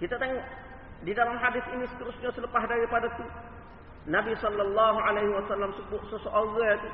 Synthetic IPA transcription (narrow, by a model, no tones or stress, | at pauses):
kit̪at̪ɛŋʔ | didalamɦadɪθinisə̥t̪əɾusɲasələpaɦdaɾipadat̪u | nabisɔlːalːaɦuʕalejɦiwasalːamsəbʊʔ̪̚səsoʔaɡat̪u